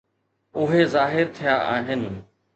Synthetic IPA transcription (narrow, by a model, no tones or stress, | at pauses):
ʊɦezaːɦɪɾt̪ʰijaʔaːɦɪnɪ̆